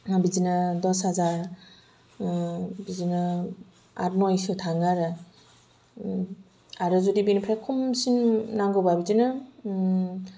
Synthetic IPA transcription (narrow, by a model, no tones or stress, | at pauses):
bizinɯdɔshazaɾ | bizinɯ | a̰ɾmɔjsɯtʰaŋaɾɯ | aɾɯzudibinpʰɾakʰumsinːaŋɡɔbabid͡ʒinɯ